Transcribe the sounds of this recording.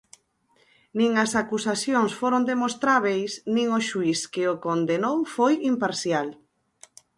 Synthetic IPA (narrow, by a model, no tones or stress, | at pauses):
nĩŋɐsakusaθjoŋsfoɾond̪emost̪ɾaβejsnĩŋoʃuiskɪokond̪enowfojimpaɾθjal